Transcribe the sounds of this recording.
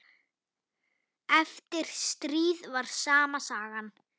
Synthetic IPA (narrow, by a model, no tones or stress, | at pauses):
ɛft̪ɪɾ̥st̪ɾiːðvaɾ̥saːmasaːɣan